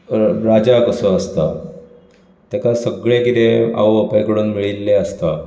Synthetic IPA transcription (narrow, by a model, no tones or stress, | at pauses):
ɾad͡ʑakəsə̃əst̪a | t̪jakasəɡɭẽkit̪ẽa̰wəpəjkɽuːnmiɭilːeəst̪a